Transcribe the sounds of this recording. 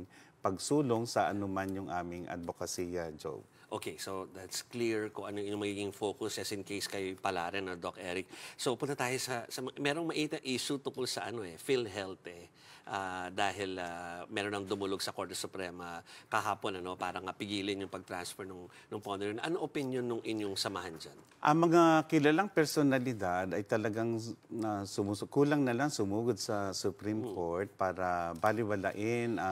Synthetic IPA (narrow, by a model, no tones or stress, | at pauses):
pɐɡsuːloŋsɐʔɐnomanjʊŋʔaːmɪŋʔɐ̰t̪̚bokɐsijɐd͡ʒo̰ | ʔoːkejsod̪at̪skliɹkʊŋʔɐnojʊŋmɐɡiːɡɪŋfo̞ːkʊsɛsɪnkejskɐjpɐlaːɾɛnɐd̪okʔɛːɾɪk̚sopʊnt̪ɐt̪aːjosɐsɐmɐmɛɾoŋmɐʔiːt̪ɐʔʔiːʃut̪ʊŋkolsɐʔɐno̞ɛfilɦɛlt̪ɛ | ʔaːd̪aːɦɪlamɛɾonːɐŋd̪ʊmʊloɡsɐko̞ɹt̪ɛsʊpɾɛːmɐkɐɦaːpo̞nɐno̞paːɾɐŋɐpɪɡiːlɪnjʊŋpɐɡ̚t̪ɾansfɛɹnʊŋ | nʊŋpond̪onɐʔɐnoʔopɪnjonːʊŋʔɪnjoŋsɐmɐɦand͡ʒan | ʔɐŋmɐŋakɪlɐlaŋpɛɾsonɐlɪd̪ad̪ɐjt̪ɐlɐɡaŋasʊmukuːlɐŋnɐlaŋsʊmuːɡod̪̚sɐsʊpɾimkʰo̞ɹt̪̚paːɾɐbalɪwɐlaʔɪn